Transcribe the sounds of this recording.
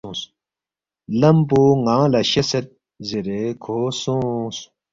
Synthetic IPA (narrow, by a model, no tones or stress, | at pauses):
ũs | lɐmpoŋãːlɐɕeset̪̚ | ziɾekʰoːsũsu̥